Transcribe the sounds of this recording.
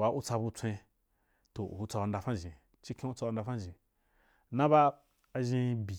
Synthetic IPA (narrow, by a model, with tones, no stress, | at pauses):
wa˨ʔu˦t͡sa˧bu˧t͡sʷẽ˧ | to˨ṵ˨u˧t͡sa˧a˧nda˧fã˦˨ʒĩ˨ | t͡ʃi˦kẽ˦u˦t͡sa˧u˧˦da˧fa˦˨ʒĩ˨ | nã˦ba˦ | a˧ʒĩ˧bi˨